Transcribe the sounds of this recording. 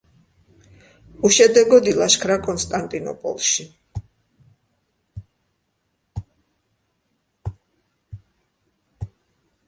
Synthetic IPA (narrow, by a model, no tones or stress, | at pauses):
uʃɛd̪ɛɡɔd̪ilaʃkʰɾakʼɔnst̪ʼant̪ʼinɔ̰pʼɔ̰lˠʃi